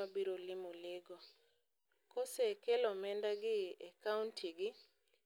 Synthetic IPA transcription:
abiɾolɪmulɪɡɔ | kɔsɛkɛlɔmɛndaɡɪakauntʰiɡɪ

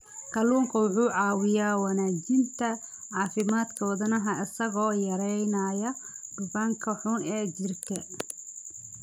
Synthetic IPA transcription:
kʰɐluːŋkʰɐwʊħuːʕɑːwɪjaːwɐnaːd͡ʒɪnt̪ʰɐ | ʕɑːfɪmaːd̪kʰɔːðɐnɐɦɐɪsɐɣɔːjɐɾɛjnaːjɐɖ̥ʊbaːŋkʰɐħʊnɛːd͡ʒɪrkʰɐ

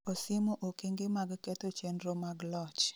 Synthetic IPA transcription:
osɪmoʔokeŋɡemaɡkɛt̪ot͡ʃenɾomaɡlɔt͡ʃ

